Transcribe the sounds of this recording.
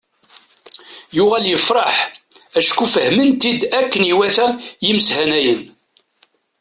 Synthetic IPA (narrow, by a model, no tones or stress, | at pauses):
jʊʁæljəfɾˤɑħæʃkufəhmənt̪id̪ækːəniwæθæjimshænæjən